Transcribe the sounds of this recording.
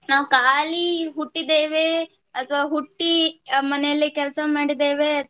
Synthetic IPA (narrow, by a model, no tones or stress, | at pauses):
naːʋkaːliɦuʈːid̪eːʋe | ɐt̪ʰʋaːɦuʈːimɐnɛjɐlːikɛlɐsɐmaːɽid̪eːʋe